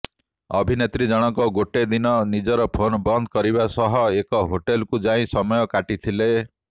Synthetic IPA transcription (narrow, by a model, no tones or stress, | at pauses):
ɔ̰bʱinet̪ɾid͡ʒɔɽ̃ɔŋkɔɡoʈed̪inɔnid͡ʒɔɾɔpʰonbɔnd̪ʱɔ̥kɔɾiβasɔɦɔekɔɦoʈelkud͡ʒaĩsɔmɔjɔkaʈit̪ʰile